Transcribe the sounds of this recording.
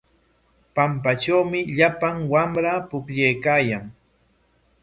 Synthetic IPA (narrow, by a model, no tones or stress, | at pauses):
pamp̬at͡ʃawmɪʎapaŋwamɾapʊkʎajkaːjaŋ